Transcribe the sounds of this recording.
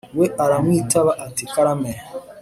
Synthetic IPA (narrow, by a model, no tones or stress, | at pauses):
weʔaɾamitaβaʔatikaɾamɛ